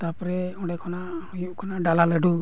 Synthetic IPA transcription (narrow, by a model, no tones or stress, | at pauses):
t̪apɾɛɔ̃ɖɛkʰɔnaʔhujɔʔkʰɔnaʔɖalalɛɖu